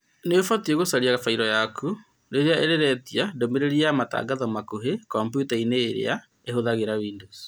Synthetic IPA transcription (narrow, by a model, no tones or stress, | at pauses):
neofatieɣosaɾiaɣafaiɾɔjakʰu | ɾeɾeaʔeɾeɾɛtiadomeɾeɾiamata̰ɡaðɔmakoɦekɔmpjutaineːɾḛa | eɦoðaɣeɾawiːndos